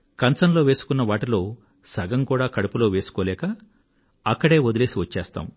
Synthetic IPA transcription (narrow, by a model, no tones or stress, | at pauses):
kɐnsɐnlo̞ːʋe̞ːsu̥kunːɐʋaːʈilo̞ː | sɐɡɐmkuːɽaːkɐɽupulo̞ːʋe̞ːsu̥koːlɛːkɐ | ɐkːɐɽe̞ːod̪ile̞ːsiʋɐt͡ʃːɛːst̪a̰ːm